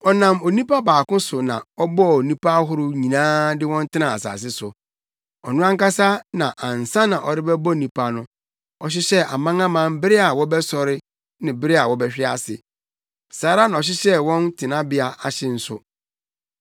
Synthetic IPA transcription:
ɔ˨nã˨mo˨nĩ˦pa˦baː˨kʊ̃˦sʊ˨nã̰˨ɔ˦bɔ˦˨o˨nĩ˦pʰa˦ɦʊ˦ɾʊ˦ɲĩ˨nãː˦dɪ˦wɔ̃˦n˦tʰɪ˦ã˨a˨sa̰ː˨s̬ɪ˦sʊ˨ | ɔ˨nʊ̃˦ã˦ŋ˦ka˦sa˦nã˨ʔã˨n˨sã˦nã˨ʔɔ˨ɾɪ˦bɛ˦bɔ˦˨nĩ˦pa˦nʊ̃˦ | ɔ˨ɕ̬ɪ˦ɕɛ˦ʔa˨mã˦ŋã˦mã˦mbɪ˦ɾɪ˦a˨wɔ˦bɛ˦sɔ˨ɾɪ˦ | nɪ̃˨bɪ˦ɾɪ˦a˨wɔ˦bɛ˦ɕᶣɪ˦a˦sɪ˨ | saː˨˦ɾa˦nã˨ɔ˨ɕ̬ɪ˦ɕɛ˦wɔ̃˦ntʰɪ˨nã˦bɪ˦a˨a˨ɕɪ˦n̩˦sʊ˨

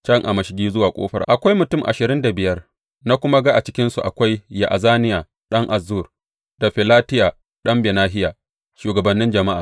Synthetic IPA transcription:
t͡ʃɐ˦ŋʔa˨mɐ˨ʃɪ˦ɡʲiː˦zʊ˦waː˨kʷʼo̰ː˦ɸɐ̰˦rʔʔa˨kʷa˦jmʊ˨tʊ˦˨mʔa̰˨ʃɪ˨ɾɪ˦nda˨bɪ˨jɐ˦r | na˦kʷʊ˦ma˦ɡa˦ʔa˨t͡ʃɪ˦kʲɪ˦nsu˨ʔa˨kʷa˦jːa˨ʔa˨zaː˦nɪ˦jaː˨ | ɗɐ˦ŋʔa˨zːuː˦˨r | d̥a˨ɸɪ˨laː˦tɪ˦jaː˨ | ɗɐ˦mbɛ˨naː˦ɦɪ˦jaː˨ | ʃuː˨ɡɐ˨bɐ˨nːɪ˦nd͡ʒɐ˨ma˦ʔa̰ː˨

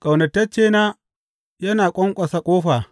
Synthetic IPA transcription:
kʼa˨wnɐ˨tːɐ˦t͡ʃeː˦naː˦ | jɐ˦naː˨kʷʼɔ˦ŋkʷʼɐ˨sa˦kʷʼoː˦ɸaː˨

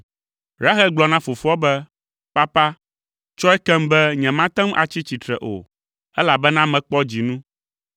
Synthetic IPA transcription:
ɾa˦xɛ˦ɡ͡blɔ˨nã˦fo˨fu˦ɔ˦bɛ˦ | pa˦pa˦ | t͡ʃɔ˦ɛ˦kɛ˦mbɛ˦ɲɛ̃˨mã˦t̪ɛ̃˦mʔa˨t͡ɕi˦t͡ɕi˨t̪ɾɛ̰˨ʔo̰˨ | ɛ˦la˨bɛ˦nã˦mɛ̃˨k͡pɔ˦d͡ʑi˨nũ˦

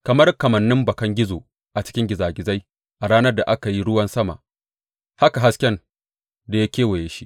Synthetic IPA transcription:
kɐ˨mɐ˦rkɐ˨mɐ˨nːɪ˦mbɐ˨kɐ˦ŋɡʲɪ˦zoː˨ | ʔa˨t͡ʃɪ̥˦kʲɪ˦ŋɡʲɪ˨zaː˨ɡʲɪ˨za˦j | ʔa˨ɽaː˦nɐ˦rda˨ʔa˦ka˨ji˦ɽʊ˦wɐ˦nsɐ˦ma̰˨ | ha˦ka˨ɦa˦skʲɛ˦n | da˨ja˦kʲeː˦wɐ˨jeː˨ʃi˦ʔ

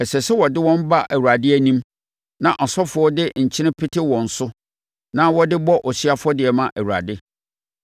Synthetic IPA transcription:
ɛ˨sɛ˨sɛ˦wɔ˨dɪ˦wɔ̃˦m˦ba˦ʔæ˨wu˨ɾa˨dɪ˦æ˨nĩ˦m | nã˨ʔɔ˨sɔ˦fʊ˨ɔ˦dɪ˦ɲ̩˨t͡ɕʰɪ˦nɪ̃˦pʰɪ˦tʰɪ˦wɔ̃˨n̩˨sʊ˦ | nã˦wɔ˦dɪ˦bɔ˦ʔɔ˨sɥa˦fɔ˦dɪ˨ɛ˨mã˦ʔæ˨wu˨ɾa̰˨dɪ˦

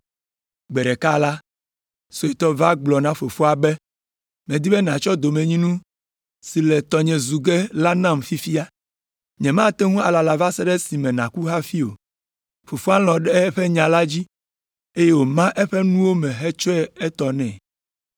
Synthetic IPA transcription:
ɡ͡bɛ˨ɖɛ˨ka˦la˦ | so˨e˨t̪ɔ˦va˦ɡ͡blɔ˨nã˦fo˨fo˦a˨bɛ˦ | mɛ̃˨d̪i˦bɛ˦nã˨t͡ʃɔ˦d̪o˨mẽ˨ɲĩ˦nũ˦ | si˨lɛ˨t̪ɔ˨ɲɛ̃˨zu˨ɡɛ˦la˦nã˦˨mfi˦fi˦a˦ | ɲɛ̃˨mã˦t̪ɛ˦ŋũ˦a˨la˨la˨va˦sɛ˦ɖɛ˦si˨mɛ̃˨nã̰˨ku˦ɦa˦fi˦o̰˨ | fo˨fo˦a˦l̃ɔ̃˨ɖɛ˦ɸɛ˦ɲã˨la˦d͡ʑi˦ | e˦je˦wo˨mã˦ʔɛ˦ɸɛ˦nũ˦wo˦mɛ̃˨ɦɛ˦t͡ʃɔ˦ɛ˦ɛ˦t̪ɔ˨nɛ̰̃˨

